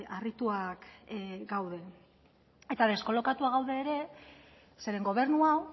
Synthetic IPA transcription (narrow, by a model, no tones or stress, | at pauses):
arit̪uakɡawð̞e̞ | e̞t̪aðe̞sko̞lo̞kat̪uaɣ̞awðe̞ːɾe̞ | se̞ɾe̞ŋɡo̞β̞e̞ɾnuaw